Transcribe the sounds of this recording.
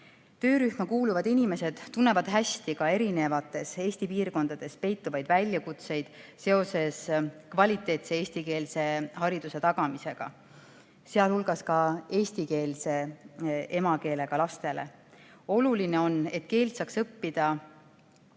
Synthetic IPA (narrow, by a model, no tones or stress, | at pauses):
t̪ø̞ːɾyhmɑkuːluvɑd̪inime̞se̞d̪̥t̪ːunːe̞vɑd̪̥ɦæsʲt̪ikɑe̞ɾine̞vɑt̪ːˑe̞se̞ːsʲt̪ipiːrko̞nd̪̥ɑd̪̥e̞spe̞jt̪ːuvɑjd̪̥vælʲjɑkut̪se̞jd̪̥se̞o̞se̞skvɑlʲit̪ːˑe̞ːt̪see̞ːsʲt̪ike̞ːlse̞hɑɾid̪̥use̞t̪ɑɡ̥ɑmise̞ɡ̥ɑ̰ | se̞ɑlhulɡ̥ɑskɑe̞ːst̪ike̞ːlse̞ | e̞mɑke̞ːle̞ɡ̥ɑlɑst̪e̞le̞̰o̞luline̞o̞nːe̞t̪ke̞ːlt̪sɑːksɤpːid̪̥ɑ